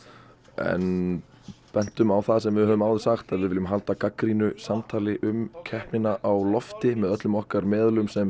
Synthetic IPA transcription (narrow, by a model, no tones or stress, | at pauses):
ɛ̰n | pɛn̥t̪ʏmawθaðs̬ɛmvɪðhœvʏmawðɪ̥saxt̪aðvɪðvɪlʏmɦalt̪akakɾinʏsamt̪ʰaːlɪʔʏmcʰɛhpnɪnaʔawlɔft̪ɪmɛðœt̪lʏmɔhkaɾmɛːðlʏmsɛm